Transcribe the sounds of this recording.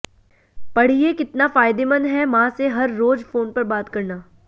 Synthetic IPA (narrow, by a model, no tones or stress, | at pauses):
pɐɽ̤iekɪt̪nafaːjd̪emɐ̃nɦɛmãseɦɐɾːoːd͡ʒfoːnpɐɾbaːt̪kɐɾnaː